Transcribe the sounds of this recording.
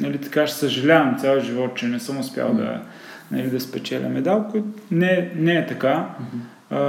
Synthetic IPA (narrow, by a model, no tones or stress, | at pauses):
nɐlit̪ɐ̥kaʃsəʒɐlʲavɐmt̪sʲjalˠəʒivɔt̪̚t͡ʃɛnɛsəmʊspʲja̰lˠd̪ɐ̰ | nɐ̰lid̪ɐspɛt͡ʃɛlʲɐ̰mɛd̪alˠkot̪nɛnɛːt̪ɐka